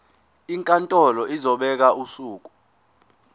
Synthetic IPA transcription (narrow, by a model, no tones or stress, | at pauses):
iŋkʼantʼɔlɔizɔɓɛk̬aʔusuːk̬u̥